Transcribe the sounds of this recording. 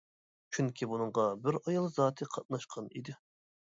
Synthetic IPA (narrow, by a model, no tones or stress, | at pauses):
t͡ʃʰyŋkʲʰibunɨɴʁɑbɪɾɑjɑlˠzɑːt̪ʰɨqʰɑt̪̚nɑʃqʰɑnḭd̪ɪ